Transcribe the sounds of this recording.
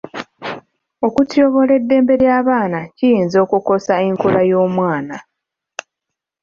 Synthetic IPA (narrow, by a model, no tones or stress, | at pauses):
o̞kutjoβo̞le̞dːe̞ːmbe̞ɾjaːβaːnacijiːnzo̞ːkuko̞saeŋkulajo̞ːmwaːna